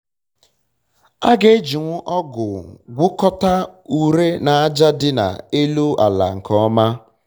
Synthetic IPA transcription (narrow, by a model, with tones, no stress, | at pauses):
a˦ɡe˦d͡ʒi˨ŋʷʊ˦ʔɔ˦ɡʊ˨ɡʷʊ˦kɔ˦ta˦u˨ɾe˦na˨a˦d͡ʒa˦dɪ˦na̰˨e˦lo˦a˨la̰˨ŋ̩˨kɔ˦ma˦